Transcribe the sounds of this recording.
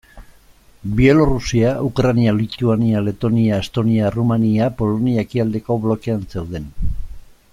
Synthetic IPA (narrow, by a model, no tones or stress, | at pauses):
bie̞lo̞rusiaukɾanialit̪uaniale̞t̪o̞niaest̪o̞niarumaniapo̞lo̞niakiald̪e̞ko̞βlo̞ke̞anse̞wðe̞n